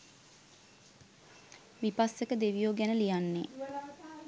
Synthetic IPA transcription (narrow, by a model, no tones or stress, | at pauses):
ʋipasːekəd̪eʋijoːɡænəlijanːe